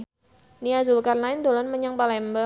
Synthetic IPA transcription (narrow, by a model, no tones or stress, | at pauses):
niazʊlkarnaɪnd̪olɔnməɲaŋpalɛmba